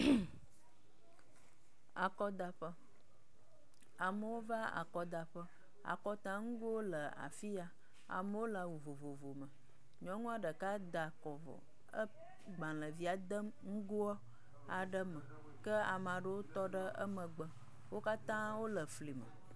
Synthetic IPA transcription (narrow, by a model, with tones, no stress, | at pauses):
a˨kɔ˦d̪a˨ɸə˦ | a˨mə˨wo˦va˦a̰˨kɔ˦d̪a˨ɸə˦ | a̰˨kɔ˦t̪ã˦ŋu˦ɡo˦wo˦lə˨a̰˨fi˦a˨ | a̰˨mə˦wo˦la˨wu˨vo˨vo˨vo˨mə˨ | ɲɔ̃˨ŋũ˦a˨ɖə˨ka˦d̪a˨kɔ˨vɔ̰˨ | ə˦ | ɡ͡bã˨lə˨vi˦a˨d̪ə˦mŋ̩˦ɡo˦ɔ˦ | a˨ɖə˦mə˨ | kə˦a˨m˨a˨ɖə˦wo˦t̪ɔ˦ɖə˦ə̰˦mə˨ɡ͡bə˨ | wo˦ka˦t̪ã˦wo˦lə˨fli˨mə̰˨